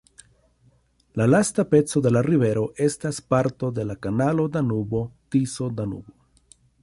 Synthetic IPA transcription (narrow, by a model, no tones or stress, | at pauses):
lalastape̞t͡so̞d̪e̞laɾive̞ɾo̞ʔe̞staspaɾto̞d̪e̞lakanalo̞d̪anubo̞tiso̞d̪anṵbo̞